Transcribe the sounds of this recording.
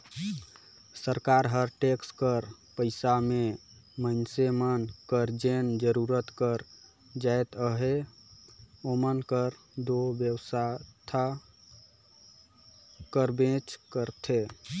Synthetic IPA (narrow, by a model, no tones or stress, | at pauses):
səɾkaɾɦəɾʈekskəɾ | pəɪsame | mənsemənkəɾd͡ʒend͡ʒəɾuɾət̪kəɾ | d͡ʒaet̪əɦe | omənkəɾ | d̪objəwsat̪ʰa | kəɾbẽt͡ʃkəɾt̪ʰe